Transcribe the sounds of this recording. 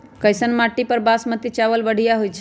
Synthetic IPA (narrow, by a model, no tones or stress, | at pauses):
kəjsənmaʈːipəɾbasmət̪it͡ʃaβəlbəɽ̤ʱijaɦojt͡ʃʰ